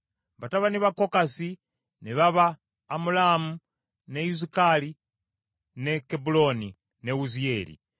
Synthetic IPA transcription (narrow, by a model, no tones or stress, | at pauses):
bataβaniβakokasi | niβaβaː | mulamu | nejuz̬ikali | nekebuloni | neuzieɾḭ